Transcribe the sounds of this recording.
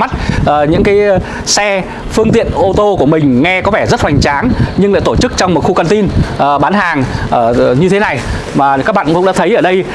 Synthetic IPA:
ma˦˥t̚ʔəː˨˩ɲɨ̰˧˥kaː˨˦j | sɛ˧ | fɨ˧əŋt̪ḭ˧˨ənʔo˧t̪o˧ku˧˩əmï˨˩ŋ̟ŋɛ˧kɔ˨˦vɛ˧˩zə˦˥t̚hwa˨˩jŋ̟t͡ɕaː˨˦nɲɨ˧ŋla̰ː˧˨jt̪o˧˩t͡ɕɨ˦˥k̚t͡ɕɔ˧wŋ͡mmo˨˩t̚xu˧ka˧nt̪i˧nʔəː˨˩ɓaː˨˦nɦaː˨˩ŋʔəː˧˩ɲɨ˧t̪ʰe˨˦na˨˩j | maː˨˩kaː˦˥k̚ɓa̰ː˧˨˧kʊ̰˧˥ŋ͡mɗa̰ː˧˥t̪ʰjʔəː˧˩ɗə˧j

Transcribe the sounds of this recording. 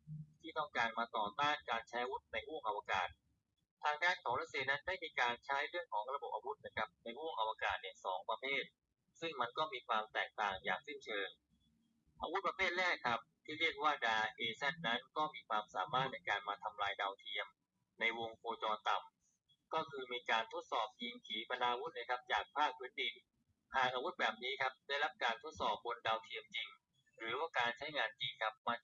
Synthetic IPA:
t̪ʰiː˥˩t̪ɔ˥˩ŋkaː˧nmaː˧t̪ɔː˨˩t̪aː˥˩nkaː˧nt͡ɕʰa˦˥jʔa˧wu˦˥t̪̚na˧jwu˥˩əŋʔa˧waː˧ka̰ː˨˩t̪̚ʰ | aː˧ŋdaː˥˩nkʰɔː˩˦ŋɾa˦˥t̪̚si˧əna˦˥ndaː˥˩jmiː˧kaː˧nt͡ɕʰa˦˥jɾɯ˥˩əŋkʰɔː˩˦ŋɾa˧bo˨˩p̚ʔa˧wu˦˥t̪̚na˦˥kʰɾa˦˥p̚na˧jhuː˥˩əŋʔa˧waː˧kaː˨˩t̪̚ni˨˩əsɔː˩˦ŋpɾa˧pʰeː˥˩t̪̚ | sɯ˥˩ŋma˧nkɔː˥˩miː˧kʰwaː˧mt̪ɛː˨˩k̚t̪aː˨˩ŋja̰ː˨˩k̚si˥˩nt͡ɕʰɤː˧n | ʔaː˧wu˦˥pɾa˧pʰeː˥˩t̪̚lɛː˥˩kʰɾa˦˥p̚t̪ʰiː˥˩ɾi˥˩ək̚waː˥˩daː˧ʔeː˧sa˥˩nna˦˥nkɔː˥˩miː˧kʰwaː˧msa̰ː˩˦maː˥˩t̪̚na˧jkaː˧nmaː˧t̪ʰa˧mlaː˧jdaː˧wt̪ʰi˧əm | na˧jwo˧ŋkʰoː˧t͡ɕɔː˧t̪a˨˩m | kɔː˥˩kʰɯː˧miː˧kaː˧nt̪ʰo˦˥t̪̚sɔː˨˩p̚ji˧ŋkʰiː˩˦pʰa˧naː˧wu˦˥t̪̚na˥˩jkʰa˦˥p̚t͡ɕaː˨˩k̚pʰaː˥˩k̚pʰɯː˦˥ndi˧n | hʰaː˨˩ŋʔaː˧wu˦˥t̪̚bɛː˨˩p̚niː˦˥kʰa˦˥p̚daː˥˩jla˦˥p̚kaː˧nt̪ʰo˦˥t̪̚sɔː˨˩p̚bo˧ndaː˧wt̪ʰi˧əmt͡ɕi˧ŋ | ɾɯː˩˦waː˥˩kaː˧nt͡ɕʰa˦˥jŋaː˧nt͡ɕi˧ŋkʰa˦˥p̚ma˧n

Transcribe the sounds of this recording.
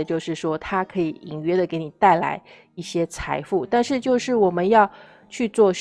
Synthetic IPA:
ət͡ɕjo˥˧ʊʂɻ̩˥˩ʂwɔ˥t̪ʰa˥kʰɤ˧˥i˧˩i˨˩ŋɥɛ˥d̪ə˨ke˧˥ɪni˨˩t̪a˥˩ɪla̰˧˥ɪ | i˥˩ɕjɛ˥t͡sʰa˧˥ɪfu˥˩t̪a˥˧nʂɻ̩˥˧t͡ɕjo˥˧ʊʂɻ̩˥˩wɔ˨˩mə˦njɑ˥˧ʊ | t͡ɕʰy˥˧t͡swɔ˥˧

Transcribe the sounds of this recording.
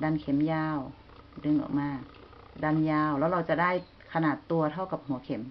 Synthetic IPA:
da˧˨nkʰe˨˦mjaː˧w | dɯ˧ŋʔɔ̰˨˩k̚maː˧˥˩ | da˧˥˨njaː˧˩wlɛː˧˦˥wla˧˩wt͡ɕa˧˩daː˥˩j | kʰa˧naː˨˩t̪ːu˧ɐt̪ʰa˥˩wka˨˧˩p̚hu˨˦əkʰe˩˦m

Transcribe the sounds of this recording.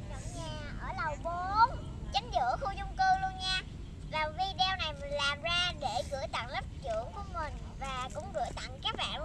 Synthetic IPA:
ɗə˨wŋ͡mɲaː˨˩ʔəː˧˩lə˨˩wɓo˨˦n | t͡ɕa˨˦ŋ̟zɨ̰˧˥əxu˧zʊ˧wŋ͡mkɨ˧lu˧ənɲaː˧ | vaː˨˩vi˧ɗɛ˧wna˨˩jm˨˩nlaː˨˩mzaː˧ɗe˧˩ɣɨ̰˧˥əjt̪a̰˧˨ŋlə˦˥p̚t͡ɕɨ̰˧˩əku˧˩əmï˨˩ŋ̟ | vaː˨˩kʊ̰˧˥ŋ͡mɣɨ̰˧˥jt̪a̰˧˨ŋkaː˦˥k̚ɓa̰ː˧˨n

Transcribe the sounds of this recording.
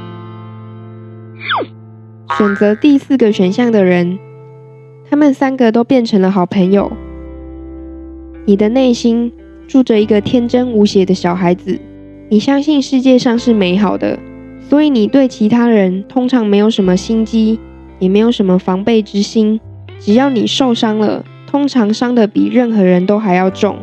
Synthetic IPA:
ɕɥɛ˨˩nt͡sɤ˧˦t̪i˥˧sɹ̩˥˩ɡə˨ɕɥɛ˨˩nɕjɑ˥˩ŋd̪ə˩ɻə˧˦n | t̪ʰa˥mə˨nsa˥nɡə˨t̪̬o˥ʊpjɛ˥˩nʈ͡ʂʰə˧˥ŋlə˧xɑ˨˩ʊpʰə˧˥ŋjo˨˩ʊ | ni˨˩d̪ə˦ne˥˩ɪɕi˥n | ʈ͡ʂu˥˩ʈ͡ʂə˨˩i˧˥ɡə˧t̪ʰjɛ˥nʈ͡ʂə˥nu˧˥ɕjɛ˨˩d̪ə˦ɕjɑ˨˩ʊxa˧˥ɪd͡z̩˨ | ni˨˩ɕjɑ˥ŋɕi˥˧nʂɻ̩˥˧t͡ɕjɛ˥˧ʂɑ˥˧ŋʂɻ̩˥˩me˧˥ɪxɑ˨˩ʊd̪ə̰˦ | swɔ˧˥i˨˦ni˨˩t̪we˥˩ɪt͡ɕʰi˧˥t̪ʰa˥ɻə˧˦nt̪ʰʊ˥ŋʈ͡ʂʰɑ˧˥ŋme˧˥ɪjo˨˩ʊʂ̬ə˧˥nmə˧ɕi˥nt͡ɕi˥ | jɛ˨˩me˧˥ɪjo˨˩ʊʂə˧˦nmə˨˧fɑ˧˥ŋpe˥˩ɪʈ͡ʂɻ̩˥ɕi˥n | ʈ͡ʂɻ̩˨˩jɑ˥˩ʊni˨˩ʂo˥˩ʊʂɑ˥ŋlə̰˨ | t̪ʰʊ˥ŋʈ͡ʂʰɑ˧˥ŋʂɑ˥ŋd̪ə˨pi˨˩ɻə˥˩nxɤ˧˥˦ɻə˧˦nt̪o˥ʊxa˧˥ɪjɑ˥˧ʊʈ͡ʂʊ̰˥˨ŋ

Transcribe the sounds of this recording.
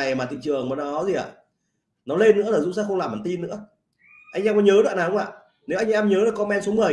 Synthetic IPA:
a˨˩jmaː˨˩t̪ʰḭ˧˨ŋt͡ɕɨ˨˩əŋmɔː˨˦nɔ˨˦zi˨˩ʔa̰ː˧˨ | nɔ˨˦le˧nːɨ̰˧˥laː˨˩zʊ̰˧˥ŋ͡msɛ̰˧˥xə˧wŋ͡mlaː˨˩maː˨˩nt̪i˧nːɨ̰˧˥ə | ʔa˧jŋʔɛ˧mkɔ˨˦ɲəː˨˦ɗwa̰˧˨naː˨˩˨ŋ͡ma̰ː˧˨ | ne˨˦wʔa˧jŋ̟ʔɛ˧mɲəː˨˦la˨˩kɔ˧nmɛ˧nso˨˦mɨ˨˩ə

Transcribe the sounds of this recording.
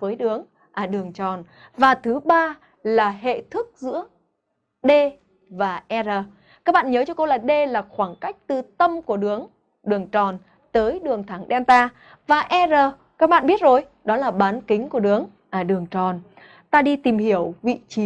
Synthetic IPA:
vəː˨˦jɗɨ˨˦əŋ | ʔaː˧˨˩ɗɨ˨˩əŋt͡ɕɔ˨˩n | vaː˨˩t̪ʰɨ˨˦ɓaː˧ | laː˨˩ɦḛ˧˨t̪ʰɨ˦˥k̚zɨ̰˧˥ə | ɗe˧ | vaː˨˩ʔɛ˧zəː˨˩ | kaː˦˥k̚ɓa̰ː˧˨nɲəː˨˦t͡ɕɔ˧ko˧wlaː˨˩ɗe˧laː˨˩xwaː˧˩ŋka˦˥jk̟̚t̪ɨ˨˩t̪ə˧mku˧˩əɗɨ˨˦əŋ | ɗɨ˨˩əŋt͡ɕɔ˨˩n | t̪əː˨˦jɗɨ˨˩əŋt̪ʰa˨˧˩ŋɗɛ˧nt̪aː˧ | vaː˨˩ʔɛ˧zəː˨˩ | kaː˦˥k̚ɓa̰ː˧˨nɓi˦˥ət̚zo˨˩j | ɗɔ˨˦laː˨˩ɓaː˨˦nkï˨˦ŋ̟ku˧˩əɗɨ˨˦əŋ | ʔaː˨˩ɗɨ˨˩əŋt͡ɕɔ˨˩n | t̪aː˧ɗi˧t̪i˨˩mhi˧˩əwvḭ˧˨t͡ɕi˨˦

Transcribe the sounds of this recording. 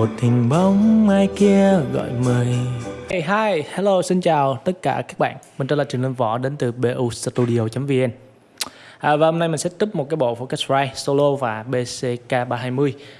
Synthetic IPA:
o˨˩t̪i˨˩ŋɓə˨˦wŋ͡mmaː˧jki˧əɣɔ̰˧˨jməː˨˩jɦaː˧jhɛ˧lo˧si˧nt͡ɕaː˨˩wt̪ə˦˥t̚kaː˧˩kaː˦˥k̚ɓa̰ː˧˨nmï̟˨˩t͡ɕɔ˧˦˥laː˧˨˩t͡ɕɨ˨˩əŋlə˧ŋvɔ̰˧˩ɗe˨˦nt̪ɨ˨˩ɓe˧ʔu˧st̪u˧ɗi˧o˧t͡ɕə˨˦mvi˧ʔɛ˧n | ʔəː˨˩vaː˨˩ho˧ŋ͡mna˧jmï˨˩ŋsɛ̰˧˥t̪u˦˥p̚mo˨˩t̚kaː˨˦jɓo̰˧˨fɔ˧kɛ˦˥sɹaː˧jso˧lo˧vaː˨˩ɓe˧se˧kaː˧ɓaː˧ɦaː˧jmɨ˧əj

